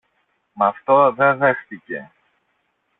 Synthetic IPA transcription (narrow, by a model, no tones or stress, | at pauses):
mɐft̪o̞ðe̞ðe̞xθice̞̰